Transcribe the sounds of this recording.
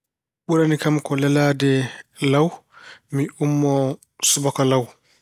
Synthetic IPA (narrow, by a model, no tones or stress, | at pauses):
ɓuɾanikamkɔlɛlaːdɛlawmiumːɔ | subɔkalaw